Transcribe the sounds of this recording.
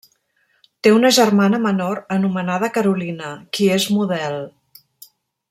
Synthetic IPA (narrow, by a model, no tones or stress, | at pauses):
t̪eunəʒərmanəmənoɾənumənað̞əkəɾulinəkiezmuðɛlˠ